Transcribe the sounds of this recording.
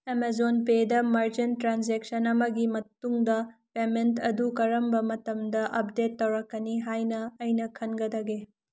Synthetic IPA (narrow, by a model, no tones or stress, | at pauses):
emezonpedɐmɐɾd͡ʒentɾanzek̚sɐnɐmɐɡimɐtuŋdɐpementɐdukɐɾɐmbɐmɐtɐmdɐʔɐp̚detːɐwɾɐkːɐniɦajnɐɐjnɐkʰɐnɡɐdɐɡe